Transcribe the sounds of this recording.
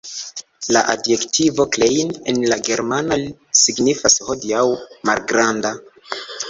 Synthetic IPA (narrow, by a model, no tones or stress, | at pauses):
la̰ʔadje̞ktʰivo̞klejnenlaɡe̞ɾmanalisiɡnifasho̞diawma̰lɡɾanda